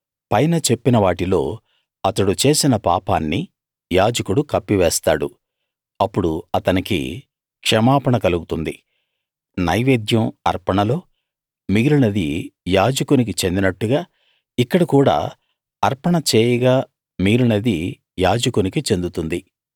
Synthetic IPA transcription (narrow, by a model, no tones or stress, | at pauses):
pɐjnɐt͡ʃe̞pːinɐʋaːʈilo̞̰ː | ɐt̪ɐɽut͡ʃe̞ːsinɐpa̰ːpa̰ːnːi | jaːd͡ʒɐkuɽukɐpːiʋɛːst̪aːɽṵ | ɐpːuɽuɐt̪ɐnikḭ | kʂɐmaːpɐɳɐkɐluɡut̪und̪i | nɐjʋeːd̪ʱjɐmɐ̰ɾpɐɳɐlo̞ː | miɡɾunɐd̪ijaːd͡ʒɐkunik̬it͡ʃe̞nd̪inɐʈːuɡaː | ikːɐɽɐkuːɽa̰ː | ɐɾpɐɳɐt͡ʃeːjɐɡaː | miːɾunɐd̪i | jaːd͡ʒɐkunikit͡ʃe̞nd̪ut̪und̪i